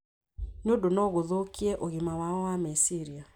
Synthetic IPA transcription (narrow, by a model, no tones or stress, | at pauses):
niondonɔɣoðokiɛʔoɣimawaɔwamesiɾia